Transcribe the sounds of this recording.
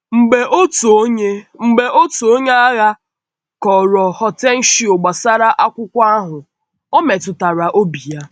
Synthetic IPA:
ŋ͡m̩˨ɡ͡be˨ʔo˦to˨˦ɲe˦ŋ͡m̩˨ɡ͡be˨ʔo˦tu˨o˦ɲe˦a˦ɣa˦ | kɔ˨ɾɔ˨hɔ˨te˦n̩˦ʃi˦o˨ɡ͡ba˨sa˦ɾa˦ʔa˦kʷʊ˦kʷa˦a˦ɦʊ˨ | o˦me˨tʊ˨ta˨ɾa˨ʔo˦bi˨ja˦

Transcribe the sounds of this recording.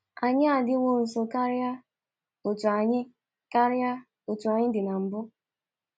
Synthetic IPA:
a˨ɲɪ˦a˨dɪ˦wo˦n̩˨so˨ka˦ɾja˦ | o˨tu˨a˨ɲɪ˦ | ka˦ɾja˦ | o˨tu˨a˨ɲɪ˦dɪ˨na˨m̩˨bʊ˦

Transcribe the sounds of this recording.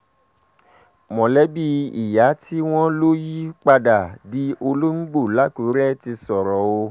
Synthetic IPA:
mɔ̃˨lɛ˨˦bi˧i˨ja˨˦tʰi˦w̃ɔ̃˦lo˦ji˦k͡pa˧da˨di˨˦ʔo˧lo˦ŋ͡m̩˦ɡ͡bo˦˨la˨˦ku˨˦ɾɛ˦ti˧sɔ˨ɾɔ˨o˧

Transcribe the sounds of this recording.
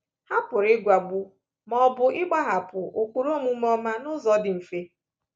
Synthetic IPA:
ha˦pʊ˨ɾɪ˦ɡʷa˨ɡ͡bu˦ | mɔ˨bʊ˨ʔɪ˦ɡ͡ba˦ɦa˨pʊ˨ʔo˨kʷu˨ɾo˦mu˦mɔ˦ma˦nʊ˦zɔ˦dɪ˨m̩˨fe˦

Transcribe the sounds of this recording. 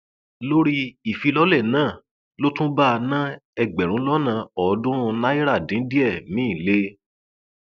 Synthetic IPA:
lo˦ɾi˦i˨fi˧lɔ˦lɛ˦˨nãː˦˨ | lo˦tũ˦ba˦˧nã˦ɛ˧ɡ͡bɛ˨ɾ̃ũ˨˦lɔ˦nã˧˨ɔ˨dũ˦ɾ̃ũ˧na˦i˦ɾa˦˨dĩ˨˦di˦ɛ˦˨nĩ˨˦i˦˨le˦

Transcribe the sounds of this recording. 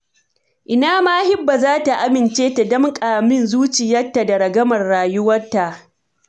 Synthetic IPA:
ʔɪ˨naː˦maː˦hɪ˦bːa˨zaː˦ta˨ʔa˦mɪ˨nt͡ʃeː˦ta˨dɔ˦ŋkʼaː˨mɪ˦nzuː˦t͡ʃɪ˨jɐ˦rtːa˨da˨ɾɐ˨ɡɐ˦mɐ˨rːaː˨jʊ˦wɐ˦rtːa˨ʔ

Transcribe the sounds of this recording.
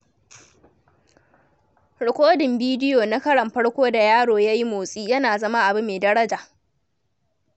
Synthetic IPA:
ɽʊ˨kʷoː˦dɪ˨mbiː˦dɪ˦joː˨na˦kɐ˦ɽɐ˨mɸɐ˦ɽkʷoː˦da˨jaː˦ɽoː˨jaː˦ji˦moː˨sʼiː˦jɐ˦naː˨zɐ˦ma˦ʔa˨bu˦meː˨dɐ˦ɽɐ˦d͡ʒaː˨

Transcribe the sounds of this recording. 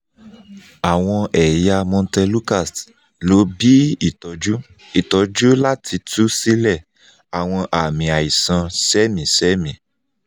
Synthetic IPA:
a˨w̃ɔ̃˧ɛ˨ja˧mɔ̃˧tɛ˧lu˦ka˦˨st | lo˨˦bi˦i˦˨tɔ˨˧d͡ʒu˦ | i˦˨tɔ˨˧d͡ʒu˦la˦tʰi˧tu˦si˦lɛ˦˨ | a˨w̃ɔ̃˧ʔa˨mĩ˨a˨i˨sã˧sɛ˦mĩ˨˦sɛ˦mĩ˨˦

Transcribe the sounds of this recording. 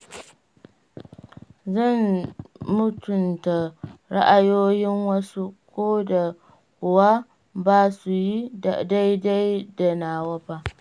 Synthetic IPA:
zɐ˦˨n | mʊ˦tʊ˨nta˨ɾa̰˦ʔa˨joː˦jɪ˦ŋwɐ˦su˦kʷoː˦da˨ | kʷʊ˨wa˦ | baː˦su˨ji˦a˨da˦jda˦jda˨naː˨wɐ˦ɸaː˦

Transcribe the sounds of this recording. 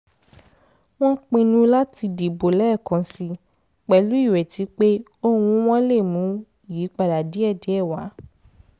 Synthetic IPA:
w̃ɔ̃˦k͡pĩ˧nũ˧la˦ti˧di˨bo˨lɛ˦˨kã˨si˧ | k͡pɛ˨˦lu˨˦i˦˨wɛ˨ti˨˦k͡pe˦ | o˦wũ˧w̃ɔ̃˦le˦˨mũ˨˦ | ji˨˦k͡pa˧˨da˨di˨˦ɛ˦˨dɛ˨˦ɛ˦˨wa˨˦

